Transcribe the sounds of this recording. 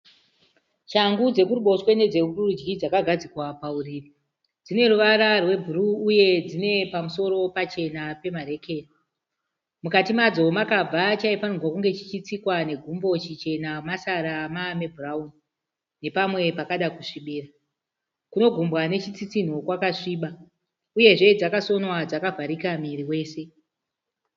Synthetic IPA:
t͡ʃaŋɡud͡ze̞kuɾuɓo̞swe̞ne̞d͡ze̞ururud͡ʒɡid͡zakaɡʱad͡zikwapauriːri | d͡zine̞ruʋaɾarwe̞bʱuɾuːje̞d͡zine̞pamuso̞ɾo̞pat͡ʃe̞nape̞maɾe̞ke̞ːri | mukatimad͡zo̞makab͡vʱat͡ʃaipanuwakuŋɡe̞t͡ʃit͡ʃit͡sikwane̞ɡʱumbo̞t͡ʃit͡ʃe̞namasaɾamame̞bʱurauni | ne̞pamwe̞pakaɗakuʂiɓiːra | kuno̞ɡʱumbwane̞t͡ʃit͡sit͡sin̤o̞kwakaʂiːɓa | uje̞ʐe̞d͡zakaso̞nwad͡zakavʱaɾikamiɾiwe̞ːse̞

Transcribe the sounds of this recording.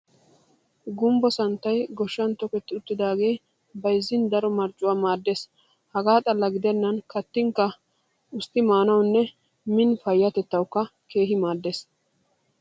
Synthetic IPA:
ɡʊmbɔsɐnt̪ːɐjɡɔʃːɐnt̪ɔkɛt̪ːɪʊt̪ːɪd̪aːɡe̞ː | bɐjzːɪnd̪ɐɾɔmɐɾt͡ʃʼːʊwaːmaːd̪ːes | hɐɡaːt̪ʼɐlːɐɡɪd̪ɛnːɐnkɐt̪ːɪŋkːɐ | ʊst̪ːɪmaːnɐwnːɛ | mɪnfɐjːɐt̪ɛt̪ːɐwkːɐke̞ːɦɪmaːd̪ːes

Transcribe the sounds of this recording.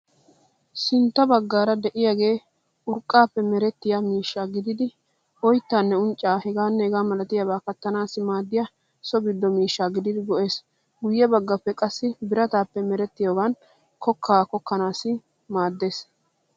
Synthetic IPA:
sɪnt̪ːɐbɐɡːaːɾɐd̪ɛʔɪjaːɡe̞ː | ʔʊɾkʼːaːpːɛmɛɾɛt̪ːɪjamiːʃːaːɡɪd̪ɪd̪ɪ | ɔjt̪ːaːnːɛʊnt͡ʃʼːaːhɛɡaːnːɛhɛɡaːmɐlɐt̪ɪjabaːkɐt̪ːɐnaːsɪmaːd̪ːɪja | sɔbɪd̪ːɔmiːʃːaːɡɪd̪ɪd̪ɪɡɔʔe̞ːs | ɡʊjːɐbɐɡːɐpːɛkʼɐsːɪbɪɾɐt̪aːpːɛmɛɾɛt̪ːɪjoːɡan | kɔkʰːaːkɔkːɐnaːsɪ | maːd̪ːe̞ːs

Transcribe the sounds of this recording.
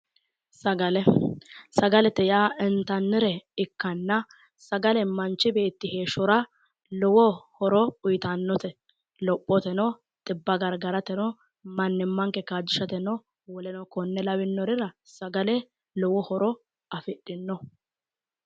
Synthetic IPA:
sɐɡɐlɛsɐɡɐlɛt̪ɛjaːɪnt̪ɐnːɪɾɛɪkːɐnːɐ | sɐɡɐlɛmɐnt͡ʃːɪbe̞ːt̪ːɪhe̞ːʃɔɾɐ | lɔwɔhɔɾɔʊjɪt̪ɐnːɔt̪ɛ | lɔpʼːɔt̪ɛnɔ | t̪ʼɪbːɐɡɐɾɡɐɾɐt̪ɛnɔ | mɐnːɪmːɐŋkɛkaːd͡ʒːɪʃɐt̪ɛnɔ | wɔlɛnɔkɔnːɛlɐwɪnːɔɾɪɾɐsɐɡɐlɛ | lɔwɔhɔɾɔ | ɐfɪɗːɪnːɔ

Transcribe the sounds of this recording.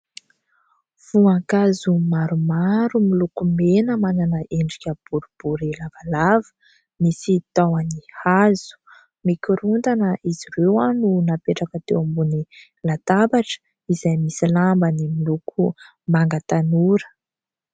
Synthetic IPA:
v̥uaŋkazumaɾumaɾumilukumenəmananəʔeɳɖ͡ʐikʲəb̥uɾub̥uɾilavalavə̥ | misit̪awanihaz̥u̥ | mikuɾunt̪anəʔiziɾewanunapeʈ͡ʂakət̪ewambuni | lat̪abaʈ͡ʂə̥ | izajmisilambənimilukʰu | maŋɡat̪anuɾə̥

